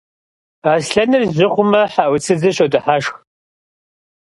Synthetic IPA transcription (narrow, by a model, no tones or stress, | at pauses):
aːsɬɐnɨrʑɪχʷʊmɐħaʔwʷʊt͡sʰɨd͡zɨɕodɨħaʂx